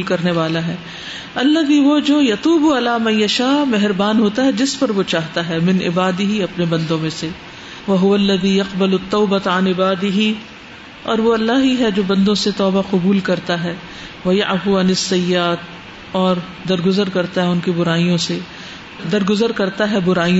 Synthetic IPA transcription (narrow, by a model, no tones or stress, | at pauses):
lkɐɾneʋaːlaɦɛː | ɐlːɐðiːʋoːd͡ʒoːjɐt̪uːbuɐlaːmɐ̃njɐʃaːmɛɦɾbaːnɦoːt̪aɦɛd͡ʒɪspɐɾʋot͡ʃaːɦt̪aɦɛːmɪ̃nʔɪ̰baːd̪ɪɦiɐpnebɐ̃nd̪õmẽse | ʋɐɦʊʋɐlːɐðiːjɐqbɐlʊt̪ːɔːbɐt̪ɐnɪbaːd̪ɪɦi | ɔ̰ːɾʋoɐlːaːɦiɦɛd͡ʒoːbɐ̃nd̪õset̪ɔːbaqʊbuːlkɐɾt̪aɦɛː | ʋɐjaʕfuɐnɪsːɐjːaːt̪̚ | ɔːɾ | d̪ɐɾɡʊzəɾkɐɾt̪aɦɛʊnkibʊɾaːijõse | d̪ɐɾɡʊzəɾkɐɾt̪aɦɛbʊɾaːiõ